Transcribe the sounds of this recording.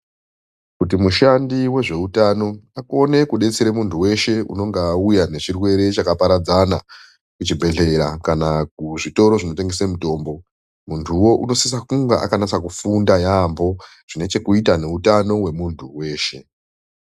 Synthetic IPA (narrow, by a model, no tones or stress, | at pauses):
kut̬imuʃandiwe̞ʐe̞utano̞ako̞ne̞kuɗe̞t͡seɾemuntʰuwe̞ʃe̞ṵno̞ŋɡeujane̞t͡ʃirwe̞ɾe̞t͡ʃakapaɾad͡zana | kut͡ʃibʱe̞ɮe̞ɾa̰kanakuʐito̞ɾo̞ʐino̞teŋɡe̞semuto̞ːmbo̞ | muntʰuwo̞ʔuno̞sis̬akuŋɡaʔa̰kanat͡sakufundajambo̞ | ʐ̥ine̞t͡ʃe̞kuitane̞utano̞we̞muntʰuwe̞ːʃe̞